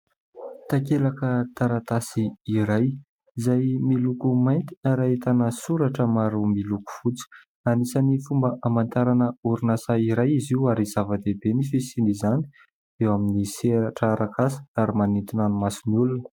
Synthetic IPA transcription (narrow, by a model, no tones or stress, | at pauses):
t̪akelakət̪aɾat̪asiːɾaj | izajmilukumajnt̪i̥aɾaet̪anəsuɾaʈ͡ʂəmaɾumiluku̥fut͡si̥ | anisanifumbəʔamant̪aɾanəuɾunasaiɾajiziuaɾizavəd̪ebenifisinizani̥ | ewaminiseɾaʈ͡ʂaɾakasə̥aɾimanint̪inanumasinulun